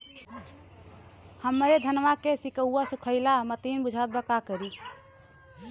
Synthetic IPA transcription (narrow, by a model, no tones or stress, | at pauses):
həmɾed̪ʱənʋakesikəuasukʰəɪlamət̪inbud͡ʒʱat̪̚bəkakəɾi